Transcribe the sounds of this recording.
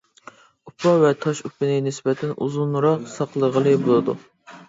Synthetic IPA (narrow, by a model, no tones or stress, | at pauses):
upʰːɑvɛt̪ʰɑʃupːɪnɪnɪsbɛt̪ʰɛnuzunɾɑqsɑqlˠəʁəlˠɨbolˠɨd̪ṵ